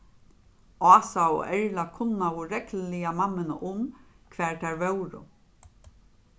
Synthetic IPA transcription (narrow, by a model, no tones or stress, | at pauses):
ɑːsaʊ̰ʔɛɹlakʰʊnːaʊɾɛkllɪjamamːɪnəʔʊmkʰʋɛːɹt̪ʰɛɹvœwɾʊ̰